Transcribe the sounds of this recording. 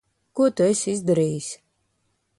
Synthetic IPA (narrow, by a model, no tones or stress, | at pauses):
kuɔt̪uɛsizd̪aɾiːjisʲ